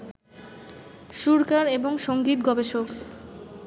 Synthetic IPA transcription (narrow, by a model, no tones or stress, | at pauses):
ʃuɾkaɾeboŋʃoŋɡit̪ɡɔbeʃok